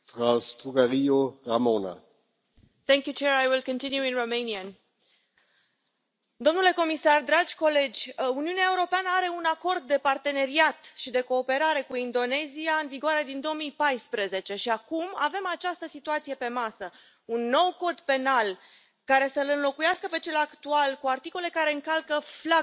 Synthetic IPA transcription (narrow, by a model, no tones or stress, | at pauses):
fɾawst̪uɡaɾioramona̰ | θɛŋkʲjut͡ʃeɾajwilkə̃nt̪injuinromejniən | d̪o̞mnule̞ko̞misard̪ɾad͡ʒʲko̞le̞d͡ʒʲuniuneaeuɾo̞peanəaɾe̞unako̞rd̪ːe̞part̪e̞ne̞ɾiat̪ʃid̪e̞ko̞ːpe̞ɾaɾe̞kuind̪o̞ne̞ziaɨnviɡoaɾe̞d̪ind̪o̞omijpajspɾeze̞t͡ʃe̞ʃiakuma̰ve̞mat͡ʃast̪əsit̪uat̪sije̞pe̞masə | unːo̞wko̞d̪pe̞nal | kaɾe̞səlɨnlo̞kujaskəpe̞t͡ʃe̞lakt̪ualkuart̪iko̞le̞kaɾe̞ɨŋkalkəfla